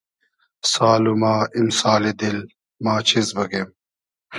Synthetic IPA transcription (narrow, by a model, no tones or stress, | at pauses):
saːlumaːʔimsaːled̪il | maːt͡ɕʰizbɐɡem